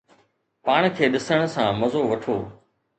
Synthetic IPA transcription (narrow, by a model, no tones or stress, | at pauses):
paːɳ̃kʰeːɗɪsəɽ̃əsãːmɐzoːʋɐʈʰoː